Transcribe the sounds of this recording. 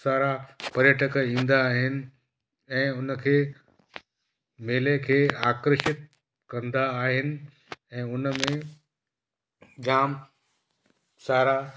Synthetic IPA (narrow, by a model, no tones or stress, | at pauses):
saːɾapɐɾjəʈəkəĩːn̆d̪aːɦɪnɪ̆ | ɛ̃ːʊnəkʰeː | meːlekʰeːaːkɾəʃɪt̪̚ | kɐ̃nd̪aːɦɪnɪ̆ | ɛ̃ːʊnəmẽ | d͡ʑaːm | saːɾa